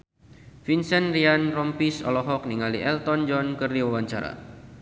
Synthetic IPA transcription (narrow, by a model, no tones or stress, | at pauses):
finsɛnrianrɔmpisɔ̰lɔɦɔk̚niŋaliʔɛlt̪ɔnd͡ʒɔnkərdiwawaɲt͡ʃaɾa̰